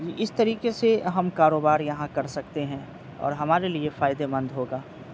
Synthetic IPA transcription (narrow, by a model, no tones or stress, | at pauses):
ʔɪst̪ɐɾiːqeseɦɐmkaːɾoːbaːɾjɐɦãkɐɾsɐk̚t̪eɦɛ̃ː | ɔ̰ːɾɦɐmaːɾeliefaːjɪd̪emɐ̃nd̪ʱɦoːɡaː